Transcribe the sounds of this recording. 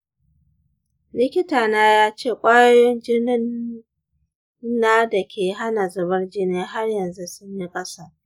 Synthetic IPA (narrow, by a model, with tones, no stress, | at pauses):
lɪ˦kʲɪ˦taː˨naː˦jaː˦t͡ʃeː˦˨kʷʼaː˦jo˦jɔ˦nd͡ʒɪ˦nɪ˦n | aː˦da˨kʲʰeː˨ɦa˦na˨zɐ˨bɐ˦rd͡ʒɪ˦neː˦ɦa˦rjɐ˨nzu˦sʊ˦ɲji˦kʼɐ˦sa˨